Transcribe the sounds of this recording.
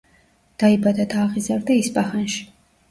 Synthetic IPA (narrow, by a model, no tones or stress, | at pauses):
d̪̥aibad̪ad̪aːʁizaɾd̪aispʼaχanʃi̥